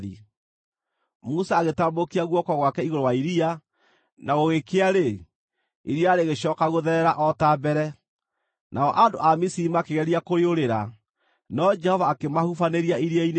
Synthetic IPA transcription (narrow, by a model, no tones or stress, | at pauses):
ḭ | musaːɣetambokiaɣwɔkɔɣwakɛiɣoɾɔwaiɾia | naɣoɣekeaɾe | iɾiaːɾeɣeɕɔkaɣoðɛɾɛɾaʔɔtabɛɾɛ | nʔaɔʔando̰ʔamisiimakeɣɛɾiakoɾeoɾeɾa | nɔd͡ʒɛhɔvaːkemahufaneɾiaiɾiain